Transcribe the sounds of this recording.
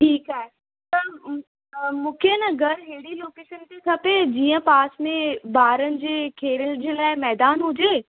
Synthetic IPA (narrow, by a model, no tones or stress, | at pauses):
ʈʰiːkaːɦe | t̪ɐ | mũːkʰenɐɡɐɾɦeːɽiloːkeːʃənt̪ekʰɐped͡ʑiːə̃paːsmẽbaːɾənɪ̆d͡ʑeːkʰeːɾənɪ̆d͡ʑeːlaːɪmɛːd̪aːnɦʊd͡ʑeː